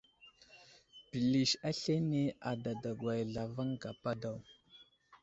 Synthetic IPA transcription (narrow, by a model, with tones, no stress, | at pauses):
pi˨li˨ʃa˦ɬe˦ne˦a˨da˨da˨ɡwa˨jɮa˨va˦ŋɡa˨pa˦da˦˨w